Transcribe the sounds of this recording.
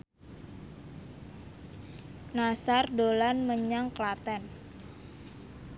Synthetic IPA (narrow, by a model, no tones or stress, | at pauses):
nasardolanməɲaŋklat̪ɛn